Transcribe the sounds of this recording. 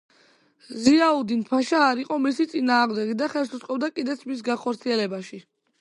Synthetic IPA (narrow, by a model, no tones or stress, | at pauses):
ziaud̪inpʰaʃaːɾiqʼɔmisit̪sʼinaːʁmd̪ɛɡid̪aχɛlˠsut̪sʼqʼɔbd̪akʼid̪ɛt̪sʰmis̬ɡaχɔɾt̪sʰiɛlɛbaʃi